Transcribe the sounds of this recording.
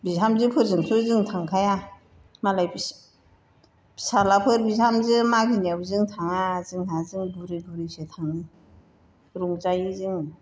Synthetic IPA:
bizamzɯpʰɯɾzɯŋpʰɯzɯŋtʰaŋkʰaja | malaj | salapʰɯɾbizhamzɯmaɡiniawzɯŋtʰaŋazɯŋhʰazɯŋbuɾibuɾisetʰaŋni | ɾuŋzajizɯŋ

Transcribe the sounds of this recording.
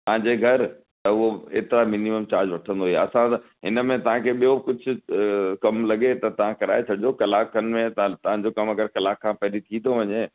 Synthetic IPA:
t̪ɐɦãɲd͡ʑeɡʱɐɾ | t̪ɐʊɦoḛːt̪ɪɾamɪniməmt͡ɕaːɾd͡ʑʋɐʈʰə̃nd̪oɦuieɐsãt̪ɦɪnəmẽt̪ɐʋ̤ãkʰeːɓijokʊd͡ʑʱʊ̆kɐmlɐɡet̪ɐt̪ɐʋ̤ãkɐɾa̰ːet͡ɕʰɐɖɪd͡ʑokɐlaːkənmẽt̪t̪ɐʋ̤ãd͡ʑokɐmɐɡəɾkɐlaːkʰːãpɐɦɾit̪ʰĩt̪oʋɐɲe

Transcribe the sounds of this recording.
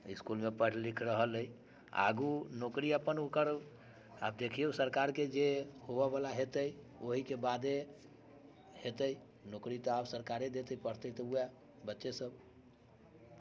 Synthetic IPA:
iskulmepəɽ̤likʰɾəɦələj | a̰ɡunokɾiəpːənukəɾ | a̰b̚d̪ekʰiusəɾkaɾked͡ʒehobɛbalaɦet̪əj | oɦikebad̪e | het̪əj | nokɾit̪ɔabsəɾkaɾed̪et̪əipəɽ̤t̪əit̪ɔua | bətːʃesəb

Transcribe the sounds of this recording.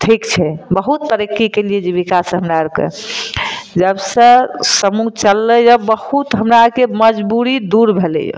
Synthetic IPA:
ʈʰikt͡ʃʰɛbəɦut̪̚pəɾekːikelijed͡ʒebikasə̃ɦəmɾaəɾkḛ | d͡ʒəbsə̃səmut͡ʃəlːəjɔbəhut̪ɦəmɾaəkeməd͡ʒbuɾid̪uɾbʱelɛ̰jṵ

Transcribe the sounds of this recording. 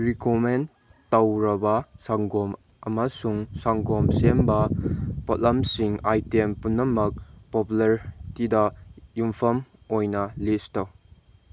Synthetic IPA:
ɾikomen | tɐwɾɐbɐsaŋɡɔm | ɐmɐsuŋsaŋɡɔmsembɐpotlɐmsiŋajtempunːɐmɐk̚populɐɾtidɐjumpʰɐm | ojnɐlistɐw

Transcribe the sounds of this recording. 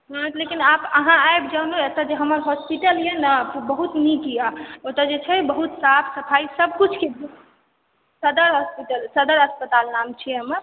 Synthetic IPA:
ɦãlekinapəɦãajbd͡ʒəwnoet̪əd͡ʒeɦəməɾɦɔspiʈəljenabəɦut̪nikijaot̪əd͡ʒet͡ʃʰɛbəɦut̪sapʰsəpʰaisəb̚kut͡ʃʰkebu | səd̪əɾɦɔspiʈəlsəd̪əɾəspət̪alnamt͡ʃʰiəməɾ

